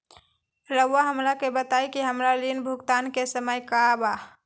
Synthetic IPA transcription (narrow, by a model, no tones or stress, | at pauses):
ɾəwːaɦəmɾakebət̪aikiɦəmɾalinbʱʊɡt̪ankesəməjkaba